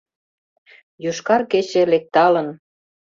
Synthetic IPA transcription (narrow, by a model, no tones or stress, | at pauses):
juʃkɑrket͡ɕĕlek̚t̪ɑlə̆n